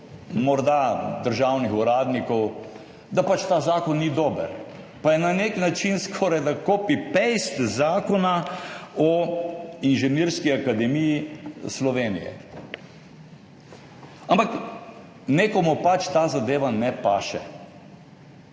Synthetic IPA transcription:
mɔɾd̪ad̪əɾʒaːwnixuɾaːd̪nikɔw | d̪apat͡ʃt̪aːzaːkɔnːid̪ɔːbə̰ɾ | pajɛnaneknat͡ʃinskʰɔːɾajd̪akoːpipejst̪zaːkɔnaɔ | inʒɛniɾskiakad̪ɛmijislɔʋeːnḭjɛ̰ | ampak | neːkɔmupat͡ʃt̪aːzad̪eːʋanɛpaːʃɛ̰

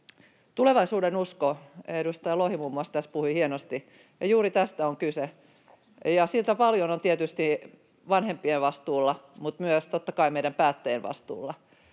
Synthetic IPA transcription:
t̪uleʋɑisuːdenuskoedust̪ɑjɑlohimumːuɑst̪æspuhuihienost̪i | jɑjuːɾit̪æst̪æoŋkyse | jɑsilt̪æpɑljonont̪iet̪yst̪i | ʋɑnhempieʋʋɑst̪uːlːɑ | mut̪myøst̪ot̪ːɑkɑimeiɾæmpæːt̪ːæjenʋɑ̰st̪ṵːlːɑ

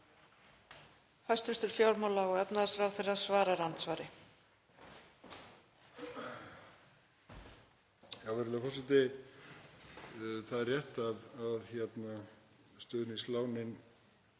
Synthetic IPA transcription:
fajst̪vɪst̪ʏɾ̥fjawɾmawlaɔɣɛpnaðasfɾawθeɾaðsvaːɾaɾant̪svaːɾɪ | jawvɛɾɪlɛfɔsɪt̪ɪ | θaðɛrjɛht̪aðaðçjɛt̪na | st̪œːðɪnislaːwnɪn

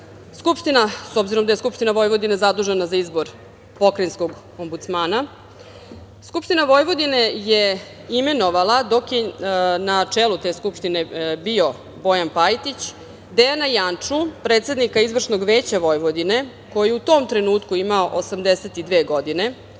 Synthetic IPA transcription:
skupʂt̪inaso̞bziɾo̞md̪ajeskupʃt̪inaʋo̞jʋo̞d̪ine̞zad̪uʒenazaizbo̞ɾ | po̞kɾenskoɡ | o̞mbut̪smaːna | skupʃt̪inaʋo̞jʋo̞d̪ine̞jeime̞no̞ʋalad̪o̞kjenat͡ʂeːlut̪e̞ːskupʂt̪ine̞bio̞ | bo̞janpajt̪it͡ɕ | d̪eanajant͡ʂupɾeːt̪se̞d̪nikaizʋr̩ʂno̞ɡʋe̞ːt͡ɕaʋo̞jʋod̪ine̞ | ko̞jiut̪o̞ːmt̪ɾe̞nuːt̪kuimaoʔosamd̪eset̪id̪ʋeːɡo̞d̪ine̞

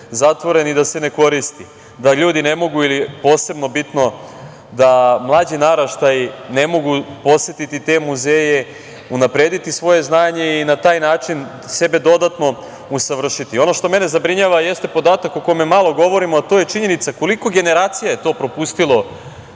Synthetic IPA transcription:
zat̪ʋo̞ɾe̞nid̪ase̞ne̞ko̞ɾist̪i | d̪aʎuːd̪ine̞mo̞ɡuilipo̞ːse̞bno̞bit̪no̞ | d̪amlˠaːd͡ʑinaɾaʃt̪ajine̞mo̞ɡupo̞sje̞t̪it̪it̪e̞muzeːje̞ | unapɾe̞ːd̪it̪isʋo̞je̞znaːɲe̞inat̪aːjnaːt͡ʃin | se̞be̞d̪o̞d̪at̪no̞ | usaʋr̩ʃit̪io̞no̞ʃt̪o̞me̞ne̞zabɾiɲaʋaje̞st̪epo̞d̪aːt̪akoko̞jmemalˠo̞ɡo̞ʋo̞ɾimoat̪o̞ːje̞t͡ʃiɲe̞nit̪sako̞liko̞ɡe̞ne̞ɾaːt̪sijaje̞t̪o̞ːpɾo̞pust̪ilˠo̞

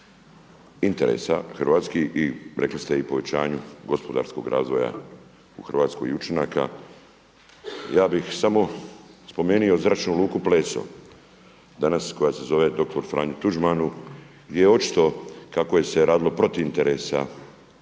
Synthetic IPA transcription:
int̪e̞ɾḛːsa̰xrʋaːt̪skiiɾʔe̞klist̪e̞ipo̞ʋet͡ɕaːɲuɡo̞spo̞d̪a̰ɾsko̞̰ɡɾa̰ːzʋo̞ja̰ | uxr̩ʋaːt̪sko̰jiut͡ʃenaka̰ | jaːbixsamo̞spo̞me̞ːnio̞zɾat͡ʃnuluːkuple̞ːso̰ | d̪anasko̞jase̞zo̞ʋe̞d̪o̞k̚t̪o̞ɾfɾa̰ːɲut̪uʒmanu | ɡd̪jejeo̞t͡ʃi̥t̪o̞kako̞je̞se̞ɾaːd̪ilo̞pɾo̞t̪iint̪e̞ɾesa̰

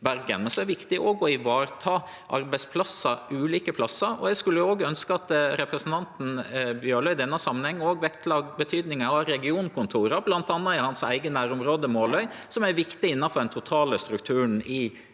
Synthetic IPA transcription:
bæɾɡə̰nmɛnsɔɛɛʋɪkt̪ɪʔɔɡoːɪʋɑːɾt̪ʰɑː | ʔɑ̰ɾbæɪspʰlɑsːəɾʉːliːkəpʰlɑsːəɾɔ̰jɛskʉlːəoːɡəœnskəɑt̪ɾɛpɾəsn̩t̪ʰɑnt̪n̩bjøːɭœʏd̪ɛnːəɑsɑmənhɛŋːoːɡʋɛkt̪ʰlɑːɡbət̪ʰyːd̪nɪŋəɑɾɛɡɪuːnkʰʊnt̪ʰuːɾəblɑnt̪ɑnːɑɪhɑnsæ̰ɪɡənæːɾʊmɾoːd̪əmoːlœʏsɔmæɾʋɪkt̪ɪɪnːɑnfɔɾɖ̪ɛnt̪ʰʊt̪ʰɑːləst̪ɾʉk̚t̪ʰʉːɳ̩ɪ

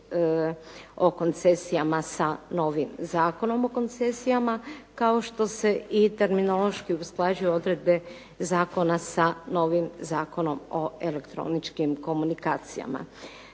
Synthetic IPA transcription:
o̞ko̞nt̪se̞sijamasano̞ʋimzaːko̞no̞mo̞ko̞nt̪se̞sijamakao̞ʃt̪o̞se̞ʔit̪e̞ɾmino̞lo̞ʃkiusklˠaːd͡ʒujuo̞d̪ɾed̪̚be̞ | zaːko̞nasano̞ːʋimzaːko̞no̞mo̞ele̞kt̪ɾo̞̰nit͡ʃkimko̞munikaːt̪sija̰ma̰

